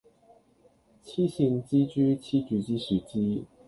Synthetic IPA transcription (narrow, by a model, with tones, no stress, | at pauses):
t͡ɕʰi˥ɕi˥˧ŋt͡ɕi˥t͡ɕy˥t͡ɕʰi˥t͡ɕy˧˥t͡ɕi˥ʂɻ̩˨˥t͡ɕi˥